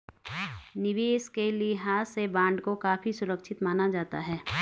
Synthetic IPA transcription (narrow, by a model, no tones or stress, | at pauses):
nɪʋeːskelieɦaːsebãːɳɖkokaːfʰisʊɾəkʃʰɪt̪maːnad͡ʒaːt̪a̰ɦɛː